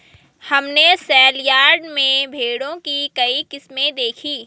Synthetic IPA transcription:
hɐmnesɛːljaːɾɖmẽbʱeːɽõkikɐikɪsmẽd̪eːkʰiː

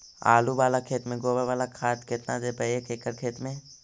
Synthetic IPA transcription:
a̰ːluʋaːlakʰeːt̪mẽɡoːbəɾʋaːlakʰaːt̪kɪt̪nad̪eːpəeːkʰeːkəɾkʰeːt̪mẽ

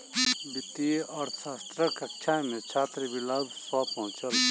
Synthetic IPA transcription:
bɪt̪ieɔːɾsʰaːst̪ɾəkɐkt͡ʃʰamẽt͡ʃʰaːt̪ɾəbilaːbswapɐɦʊ̃t͡ʃəl

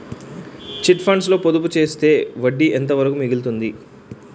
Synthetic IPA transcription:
t͡ʃiʈpʰɐɳɖslo̞ːpod̪up̬ut͡ʃe̞ːst̪e̞ːʋɐɖːiʔent̪̬ɐʋɐɾɐkumiɡilt̪und̪i

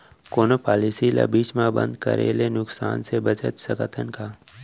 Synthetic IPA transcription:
koːnopaːlisilə̰biʃmãbə̰̃nd̪kə̰ɾḛːlenʊksa̰ːnsebət͡ʃət̪səkət̪ʰənkaː

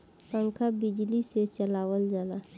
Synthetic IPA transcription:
pə̃ŋkʰabɪd͡ʒliset͡ʃəlaːwəld͡ʒaːla

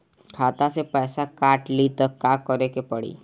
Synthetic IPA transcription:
kʰaːt̪asepɛːsakaːʈlit̪ɔkakɔɾekepəɽḭ

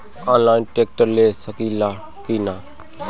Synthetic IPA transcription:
aːnlaːɪnʈeːk̚ʈəɾleːsəkiːlaː | kiːnaː

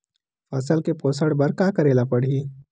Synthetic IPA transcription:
fɐsəlkepoːsəɽbɐɾkaːkɐɾeːlapɐɽiː

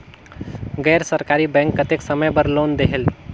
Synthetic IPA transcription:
ɡɛɾsəɾkaɾibɛ̃ŋkːət̪eksəməjbəɾlond̪eɦel

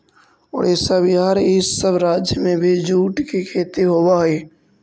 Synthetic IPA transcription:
ɔ̰ːɾɛːsabɪɦaːaːɾɪssəbɾaːd͡ʒjəmẽbʱid͡ʒuːʈkikʰeːt̪iɦoːbaɦeː

